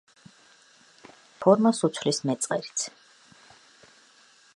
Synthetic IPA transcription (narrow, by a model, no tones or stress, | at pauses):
pʰɔɾmasut̪sʰvlismɛt̪sʼqʼɛɾit̪sʰ